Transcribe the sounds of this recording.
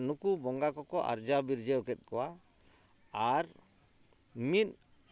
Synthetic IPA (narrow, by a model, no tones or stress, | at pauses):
nukubɔŋɡakɔkɔʔa̰ɾd͡ʒabiɾd͡ʒɛɔkɛt̪̚ˀkɔwaː | ɾ | mit̪̚ˀ